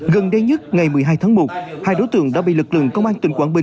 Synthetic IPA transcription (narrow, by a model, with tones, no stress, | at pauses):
ɣə˨˩nɗe˧ɲə˦˥t̚ŋa˨˩jmɨ˨˩əjɦaː˧jt̪ʰaː˨˦ŋmo˨˩t̚haː˧˩jɗo˧˦jt̪ɨ̰˧˨əŋɗa̰˧˥ɓḭ˧˨lɨ˨˩k̚lɨ̰˧˨əŋkə˧wŋ͡mʔaː˧nt̪wï˧˩ŋ̟kwaː˧˩nɓï˨˩ŋ